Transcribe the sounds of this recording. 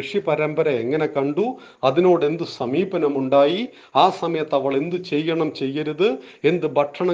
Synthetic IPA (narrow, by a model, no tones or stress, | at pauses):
ʂipɐɾɐmbɐɾɐe̞ŋːɐne̞kɐɳɖu | ɐðino̞ːɽe̞nd̪ɨsɐmiːbɐnɐmuɳɖaːji | aːsɐmɐjɐt̪ːɐʋɐɭe̞nd̪ɨt͡ɕe̞jːɐɳɐmt͡ɕe̞jːɐɾuðɨ | e̞nd̪ɨbʱɐʈʂʰɐɳɐ